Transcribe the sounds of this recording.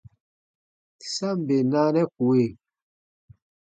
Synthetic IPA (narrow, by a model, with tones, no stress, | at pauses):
sa˦m˨be˨na˦nɛ˦ku˨e˨